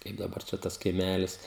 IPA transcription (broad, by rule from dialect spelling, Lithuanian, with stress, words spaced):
ˈkɐɪp dɐˈbɐr t͡ʃʲɛ ˈtɐs kɐɪˈmʲælʲɪs